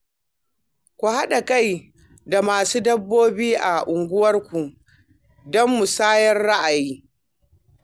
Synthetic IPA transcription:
kʷu˨ha˦ɗa˨ka˦˨j | da˨maː˨suː˦dɐ˦bːoː˦biː˦ʔa̰˨ʔʊ˨ŋɡʷʊ˦wɐ˦rkʷu˨ | dɔ˦mːu˨saː˦jɛ˦rɽa˦ʔa˨jiː˦

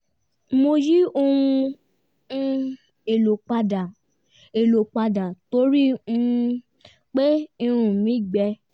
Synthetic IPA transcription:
mo˧ji˦o˧wũ˧˦ | e˨lo˨k͡pa˧da˨ | e˨lo˨k͡pa˧da˨to˨˦ɾi˦ũ˦ | k͡pe˦ĩ˧ɾ̃ũ˨mĩ˨˦˨ɡ͡bɛ˧

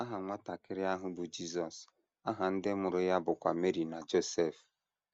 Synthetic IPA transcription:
a˦ɦa˨ŋʷa˦ta˨kɪ˦ɾɪ˦a˦ɦʊ˦bʊ˨d͡ʒi˦sɔ˨s | a˦ɦa˨n̩˦dɪ˦mʊ˨ɾʊ˦ja˦bʊ˨kʷa˨me˦ɾi˨na˨d͡ʒo˦se˦˨f

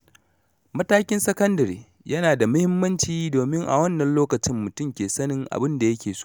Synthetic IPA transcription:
mɐ˦taː˦kʲɪ˦nsɐ˦kɐ˦ndɐ˨ɾḛː˨ | jɐ˦naː˨da˨mʊ˦hɪ˦mːɐ˦nt͡ʃiː˦doː˨mɪ˦ŋʔa̰˨wɐ˦nːɐ˨nloː˦kɐ˨t͡ʃɪ˦mːʊ˨tʊ˦mkʲeː˨sɐ˦nɪ˦ŋʔa̰˨bɪ˦nda˨jɐ˦kʲeː˨so̥ː˦

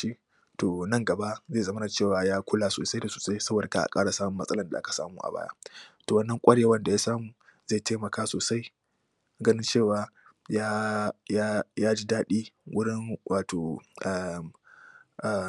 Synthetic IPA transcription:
i˦ | toː˨nɐ˦ŋɡɐ˨ba˦ʔze˦˨zɐ˦m˦na˨t͡ʃeː˦˨waː˨jaː˦kʷʊ˦la˨so̰ː˨sa˦jda˨suː˨sa˦jsɐ˦boː˨da˨ka̰˦ʔa̰˨kʼa̰ː˦ɽa˨saː˦mʊ˦mɐ˦sʼɐ˦lɐ˨nda̰˨ʔa˦kḁ˨sa̰ː˦muː˦ʔa̰˨ba̰ː˦ja̰˦toː˨wɐ˦nːɐ˦ŋkʷʼɐ˦ɽje˦wɐ˦nda˨jaː˦saː˦muː˨ | za˦˨teː˦mɐ˨kaː˦soː˨sa˦j | ɡɐ˦nɪ˦nt͡ʃeː˦˨waː˨ | jaː˦jaː˦jaː˦d͡ʒi˦daː˦ɗiː˦wʊ˦ɽɪ˦ŋwʔaː˨tʰoː˨ʔa˨m | ʔa˨

